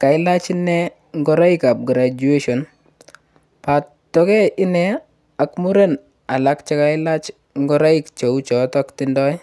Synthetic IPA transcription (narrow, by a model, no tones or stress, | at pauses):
kaɪlat͡ʃinɛ | ŋɡɔɾaikap̚ɡɾad͡ʒueʃɔn | pa | tːɔkɛʔɪnɛ | akmuɾen | alakt͡ʃɛkaɪlat͡ʃ | ŋɡɔɾaikt͡ʃeut͡ʃɔtɔktɪndɔj